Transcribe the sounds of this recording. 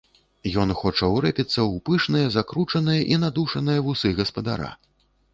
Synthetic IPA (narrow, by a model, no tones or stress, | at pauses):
jɔnxɔt͡ʂɐwɾɛpʲit̪sːɐwpɨʂnɨjɐzakɾut͡ʂɐnɨjɐʔinad̪uʂɐnɨjɐvusɨɣɐspɐd̪a̰ɾa̰